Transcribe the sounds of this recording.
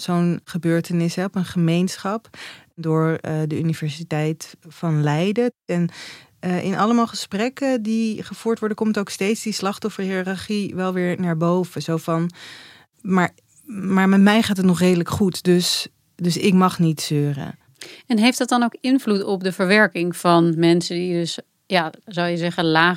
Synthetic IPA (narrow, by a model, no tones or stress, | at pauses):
z̥ownχəbøːɹtənɪsɦɛpənχəmejnsχɑpdʊːɹdəynivɛɹsitɛjtfɑnlɛjdəɛn | ʔɪnʔɑləmaːlˠχəsprɛkədiχəv̥uːɹtʋɔɹdəkɔmtowkstejtsdislɑχtɔfəɹhiːɑrɑɹχiʋɛlˠʋɪːɹnaːɹbowvəzowfɑn | maːɹ | maːɹmɛtmɛjχaːtətnɔχrejdələkχutdɵs | dɵsɪkmɑχnitsøːrə̰ | ɛnɦejftdɑt̚dɑnowkɪnvlutɔp̚dəvəɹʋɛɹkɪŋvɑnmɛnsədidɵs | jaːzoljəzɛχəlaː